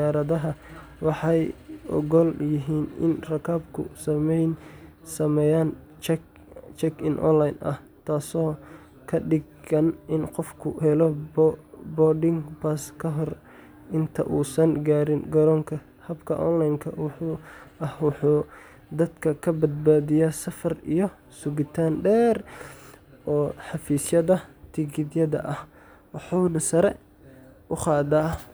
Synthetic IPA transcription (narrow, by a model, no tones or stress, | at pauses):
d̪aːɾɐðɐɦɐ | wɑħɑjʔɔ̰ɣɔljɪɦiːnɪ̰nrɐkʰaːbkʰʊ̰sɐmɛjn | sɐmɛjaːn | t͡ʃ | t͡ʃɛkʰɪnʔɔ̰nlajnʔɐ̰h | t̪ʰaːsɔː | kʰɐɖɪɡɐnʔɪnqɔfkʰʊ̰hɛlɔ | bɔːɖɪŋpaskʰɐɦɔr | ʔɪnt̪ʰɐ̰ʔuːsɐnɡaːɾɪnɡɐɾɔːŋkʰɐ | hɐbkʰɐ̰ʔɔ̰nlɐjŋkʰɐ̰wʊħuːʔɐhwɑħuː | d̪ɐd̪kʰɐkʰɐbɐd̪̚baːðɪjaːsɐfɐrḭjɔ | sʊɡɪt̪ʰaːnɖɛːr | ʔɔːħɑfiːsjɐðɐt̪ʰɪɡɪd̪jɐðɐ̰ʔɐh | wɑħuːnɐsɐɾɛ | ʊqɑːðaː